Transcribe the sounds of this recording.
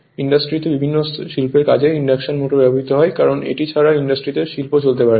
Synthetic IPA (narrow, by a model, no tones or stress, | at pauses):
iɳɖasʈɾit̪ebibʱinːoʃilpeɾkad͡ʑʱeiɳɖakʃonmoʈobɛboɦit̪oɦɔekaɾonḛʈit͡ɕʰaɾaiɳɖasʈɾid̪eɾʃilpot͡ɕolt̪epaɾe